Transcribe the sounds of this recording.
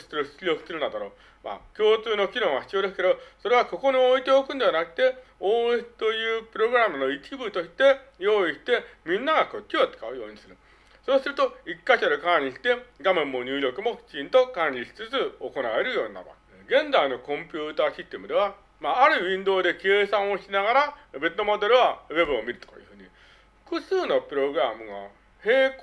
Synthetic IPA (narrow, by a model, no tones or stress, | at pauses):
sseɾɯ̟ɕi̥silʲo̞kɯ̥seɾɯ̟nad̪aɾo̞ː | ma̰kʲo̞ːt͡sɨːno̞kʲinõ̞ɰ̃açi̥t͡sɨjo̞ːd̪e̞sɨ̥ke̞d̪oso̞ɾe̞β̞ako̞ko̞ɲ̟io̞it̪e̞o̞kɯ̟̃nd̪e̞anakɯ̟̥t̪e̞oːẽsi̥t̪o̞jɯ̟ːpɯ̟ɾo̞ɡɯ̟ɾamɯ̟no̞itʲibɯt̪o̞ɕi̥t̪e̞jo̞ːiɕi̥t̪e̞mʲĩnːaɡako̞tʲːot̪ːɨ̥kaɯ̟jo̞̰ːɲ̟isɨɾɯ̟ | so̞ːsɨɾɯ̟t̪o̞ikːaɕaɾɯ̟kaɲ̟ʲiɕi̥t̪e̞ɡamẽ̞mːo̞ɲ̟ɨːɾʲo̞kɯ̟mo̞kʲi̥t͡ɕĩnt̪o̞kãɲʲiɕi̥t͡sɨt͡sɨoko̞nae̞ɾɯ̟jo̞ːna̰ba̰ | ɡẽ̞nd͡zaino̞kõ̞mpʲɨːt̪aːɕist̪emɯ̟d̪e̞βa | maːɾɯ̟βʲĩnd̪o̞ːd̪e̞ke̞ːsãɰ̃o̞ɕinaɡaɾabe̞t̪ːo̞mo̞d̪e̞ɾɯ̟βaβe̞bɯ̟omʲiɾɯ̟t̪o̥ka̰jɯ̟ɸɯ̟ːɲ̟i | ɸɯ̥kɯ̟sɨːno̞pɯ̟ɾo̞ɡɯ̟ɾamɯ̟ɡa̰ | he̞ːk